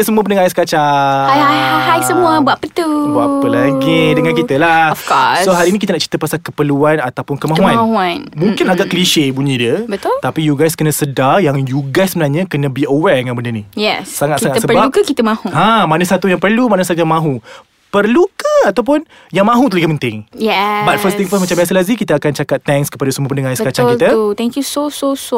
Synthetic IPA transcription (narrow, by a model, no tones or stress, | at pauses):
əsəmuəp̬ənəŋajaskat͡ʃaahajsəmũəbuaʔpət̪ubua̰ʔpəlaɡidəŋankit̪əlaɔfkɔsoɦaɾinikit̪ənaʔt͡ʃi̥t̪əpasakəpəluanat̪awpʊnkəmauanaɦuanmũŋkɪnaɡaʔkəliʃebuɲə̃dəbət̪ʊlt̪apijuɡajskənə̃sədajaŋjuɡajsəmənaɲə̃kənə̃biowɛdəŋanbəndənijɛsːaŋat̪saŋatsəpəbaukəkit̪əmãhuhãmanəsat̪ujaŋpərlumanəs̬at̪ujãŋmãɦu | pərlukəat̪awp̬ʊn | jaŋmãɦut̪ələɡapənt̪ɪŋjɛbat̪̚fəst̪iŋfəsmat͡ʃambias̬əlazikit̪əakant͡ʃakat̪ːɛŋskə̥padasəmuəpənəŋasəkat͡ʃaŋkit̪ət̪ɛ̃ŋkjusososo